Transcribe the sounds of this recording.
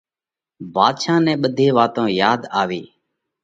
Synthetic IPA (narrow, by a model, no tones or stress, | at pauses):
baːd̪ʃaːnɛ̃ːɓəd̪ʱeːʋaːt̪õːjaːd̪aːʋiː